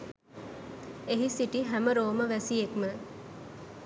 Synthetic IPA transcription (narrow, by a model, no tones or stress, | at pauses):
eɦisiʈiɦæməɾoːməʋæsijekmə